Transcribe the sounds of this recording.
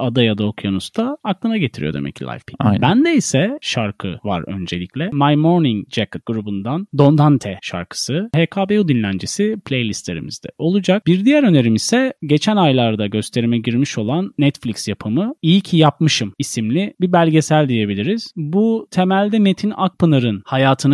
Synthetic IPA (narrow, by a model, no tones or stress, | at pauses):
ad̪ajad̪aokjanust̪ʰaːklˠɯnaɟe̞t̪ʰiɾḭjo̞d̪emɛ̰cʰːilʲˠa̰jfpʰibænd̪ɛisɛʃaɾkʰɯ̰va̰ɾø̞̰nd͡ʒe̞̰lʲicʰʲlʲɛmajmo̞ɾniŋd͡ʒɛkat̪̚ɡ̥uɾubund̪and̪o̞nd̪ant̪ʰɛʃa̰ɾkʰɯ̥sɯhekʰaːbeud̪inlʲænd͡ʒisipʰlʲejlʲist̪lʲe̞̰ɾḭmḭzd̪ɛ̰ʔo̞lˠud͡ʒak̚biɾd̪ijæɾø̞ne̞ɾimisɛɟe̞t͡ʃʰænajlˠaɾd̪aɟø̞st̪ʰe̞ɾimɛɟiɾmiʃo̞lˠanːɛt̪flʲiksjapʰɯmɯijcʰijap̚mɯʃɯmisimlʲibibælʲɟe̞sælʲd̪ije̞bilʲiɾiz̥but̪ʰe̞mælʲd̪ɛme̞t̪ʰinak̚pɯnɯɾɯnhajaːt̪ʰɯnɯ